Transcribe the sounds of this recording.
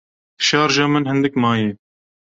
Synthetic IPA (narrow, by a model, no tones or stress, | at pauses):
d̪ɨ̥ʃɑːɾʒɑːmɨnhɨnd̪ɨkmɑːje